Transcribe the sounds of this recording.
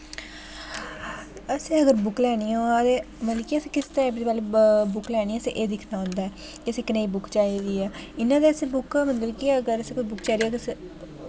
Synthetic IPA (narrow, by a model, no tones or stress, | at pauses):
əseːəɡəɾbʊklɛːɽ̃iːõːd̪eː | məlikiəseːkɪst̪eɛbd̪ipaːlebʊklɛːɽ̃iːɛːəsḛʔeːd̪ɪkʰnaːʊ̃nd̪aːɛː | kiəseːkɪneːiːbʊkt͡ʃaːiːɾiːɛːɪnːãːd̪eːəseːbʊkːmət̪ləbkiəɡəɾəseːkʊt͡ʃʰbʊkt͡ʃaːiɾiːɛːkɪəse